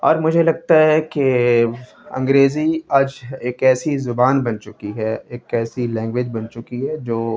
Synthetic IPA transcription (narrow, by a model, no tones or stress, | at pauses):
ɔ̰ːɾmʊd͡ʒʱelɐɡ̚t̪aɦɛke | ɐ̰̃ŋɡɾeːziɐd͡ʒeːkɛːsizʊbaːnbɐnt͡ʃʊkiɦɛeːkɛːsilɛ̃ːŋɡʋed͡ʒbɐnt͡ʃʊkiɦɛd͡ʒoː